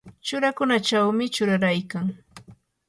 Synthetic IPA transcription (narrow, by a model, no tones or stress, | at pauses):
t͡ʃʊɾakʊnat͡ʃawmɪt͡ʃʊɾaɾajkaŋ